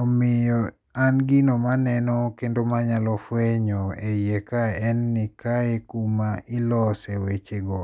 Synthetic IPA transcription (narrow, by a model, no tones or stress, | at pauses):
omɪjɔ | anɡɪnomanɛnɔkendomaɲalɔfweɲɔejekaɛnːikaekumailɔsewet͡ʃeɡɔ